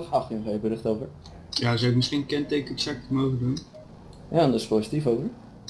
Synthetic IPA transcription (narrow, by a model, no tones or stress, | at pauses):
χaχtənχejbəɾɪχtowvəɹ | jazawɪk̚mɪsχinkɛntekəɛksak̚təmowχəndun | jaːɔndɑspowsitifowvəɹ